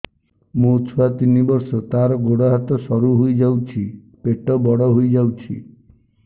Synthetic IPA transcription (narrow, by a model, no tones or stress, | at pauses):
mũt͡ʃʰɔat̪inibɔɾsɔt̪aɾɔɡoɽɔɦat̪ɔsɔɾuɦojd͡ʒawt͡ʃʰi | peʈɔbɔɽɔɦojd͡ʒawt͡ʃʰi